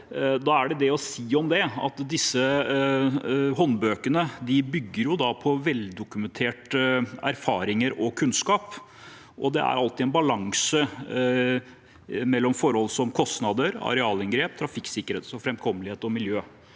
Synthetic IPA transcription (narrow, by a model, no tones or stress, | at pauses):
d̪ɑæɖɛd̪ɛɔsiːɔmd̪ɛɑ̰t̪d̪ɪsːə | ɦɔnbøːkənəd̪ɪbʏɡːəɾjʊd̪ɑpʰɔʋɛld̪ʊkʉmɛnt̪ʰeːʈæɾfɑːɾɪŋəɾɔkʰʉnskɑːp | ʔɔd̪ɛ̰æ̰ɾɑlt̪ɪɛnbɑlɑŋsə | mɛlːɔmfɔɾhɔlsɔmkʰɔst̪nɑd̪əɾɑ̰ɾɛɑːlɛŋɡɾeːp̚t̪ʰɾɑfɪksɪkːəɾeːt̪sɔfɾɛmkʰɔmːəlɪheːt̪ɔmɪljøː